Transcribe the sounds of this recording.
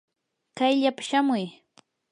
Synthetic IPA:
kajʎapḁʃamʊj

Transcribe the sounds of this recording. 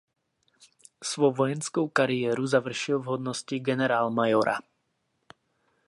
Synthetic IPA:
sʋɔʋɔjɛnskuʊkaɾiɛːɾuzaʋr̩ʃilvɦɔd̪nɔsciɡɛnɛɾaːlmajɔɾʔa̰

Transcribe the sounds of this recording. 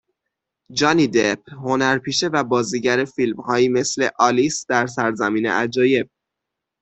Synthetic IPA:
d͡ʒɒːnid̪ep̚ʰho̞næɾpʰiːʃe̞væbɒːziːɟæɾe̞filmhɒːjiːme̞sle̞ʔɒlisd̪̥æɾsæɾzæmiːne̞̰ʔæd͡ʒɒːje̞b̥̚

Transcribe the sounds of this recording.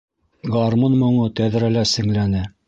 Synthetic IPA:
ɡɑɾmonmŏɴɤt̪æðɾælæsɘ̆ŋlænɘ

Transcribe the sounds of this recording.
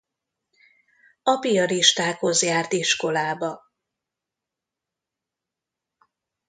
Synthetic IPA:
ɒpiɒɾiʃt̪aːkho̞zjaːrt̪iʃko̞laːbɒ

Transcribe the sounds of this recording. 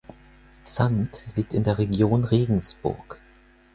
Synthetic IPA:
t͡santliːk̚tɪndeːɐʁeɡjoːnʁeːɡŋ̩sb̥ʊ̰ɐk

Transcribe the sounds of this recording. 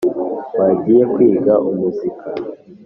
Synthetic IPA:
waɟijekwiːɡaʔumuzikʰa

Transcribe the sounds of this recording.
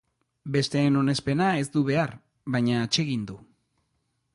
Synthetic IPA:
be̞st̪e̞ːno̞ne̞spe̞nae̞zd̪uβe̞aɾ | βajɲaːt͡ʃe̞ɣ̞ind̪u

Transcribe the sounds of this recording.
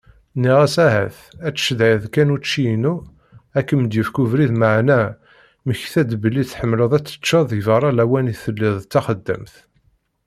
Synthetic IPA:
niʁæsæɦæ̰θ | æt͡sːə̥ʃðæjðkænut͡ʃːinu | ækːəməd̪jəfkuvɾiðməʕnæ | məçθæd̪bəlːiθħəmːləðˤæt͡sːə̥t͡ʃːɑðˤivɑɾˤɑlæwæniθəlːiðˤt͡sːæχəd̪ːə̰mθ

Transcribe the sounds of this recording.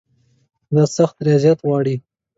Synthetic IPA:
d̪ɑsaxt̪ɾijɑzjat̪wɑɽi

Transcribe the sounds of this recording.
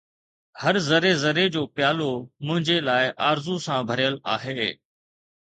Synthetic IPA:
həɾzəɾezəɾed͡ʑoːpɪjaːlomʊ̃ɦɪ̃ɲd͡ʑelaːɪʔaːɾzusãbʱəɾjəla̰ːɦeː

